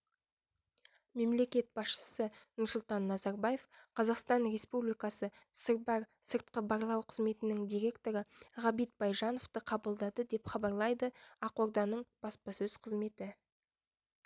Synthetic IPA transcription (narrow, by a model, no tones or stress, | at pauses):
me̞mle̞kʲe̞t̪̚b̥ɑsʃə̥sənʊɾsʊlˠt̪ɑnːɑzɑɾbɑje̞fqʰɑzɑqst̪ɑnre̞spublijkɑsəsəɾbɑɾsəɾt̪̚qəbɑɾlˠɑwqʰəzme̞t̪ɪnɪŋd̪ijɾʲe̞kt̪o̞ɾəʁɑbit̪̚bɑjʒɑno̞ft̪əqʰɑbəlˠd̪ɑd̪əd̪e̞pχɑbɑɾlˠɑjd̪əɑqo̞ɾd̪ɑnəɴb̥ɑspɑsɵz̥qʰəzme̞t̪ɪ